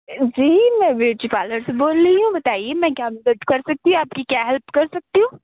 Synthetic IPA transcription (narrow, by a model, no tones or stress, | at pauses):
d͡ʒiːmɛ̃ʋeːɾʈipaːləɾseboːlːiiɦũbɐt̪aːiemɛ̃ːkãːmdeʈkɐɾsɐk̚t̪iɦũaːp̚kikjaːɦɛlpkɐɾsɐk̚t̪iɦũ